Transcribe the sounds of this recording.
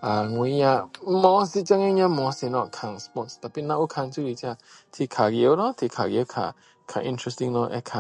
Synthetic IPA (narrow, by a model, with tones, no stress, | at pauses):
ʔa˨ŋu˨˦ɲa˧mɔ˧˦si˧˨t͡ʃa˧ŋi˦ɲã˧mɔ˨˧si˧˨nɔ˧˨ʔkʰa˨ŋspɔ˧˨tst̪a˨pi˧˨nã˧˦ʔu˦kʰa˧ŋt͡ʃu˦li˨˧t͡ʃa˧˨ | t̪ʰi˨kʰa˨ɡi˨ə˦lɔ˦t̪ʰi˨kʰa˨ɡi˨˧ə˦kʰa̰˨ | kʰa̰˨ʔḭ̃˧ntʰɹɛ˧stĩ˧ŋlɔ˧ʔɛ̰˦kʰa˨